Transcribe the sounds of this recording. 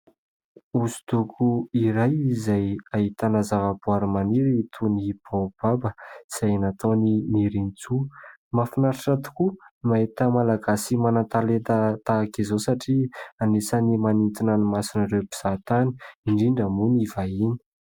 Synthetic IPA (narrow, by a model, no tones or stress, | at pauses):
usu̥t̪ukʰuiɾajizajaɦit̪anəzavəbuaɾimaniɾit̪ʰunib̥ob̥abəz̥ajnat̪oniniɾinit͡sumafinaɾaʈ͡ʂat̪u̥kumaɦit̪əmalaɡasimanat̪alet̪at̪akizosaʈ͡ʂianesanimanint̪inanimasinaɾewbi̥z̥at̪ani̥iɳɖ͡ʐiɳɖ͡ʐamunivaini̥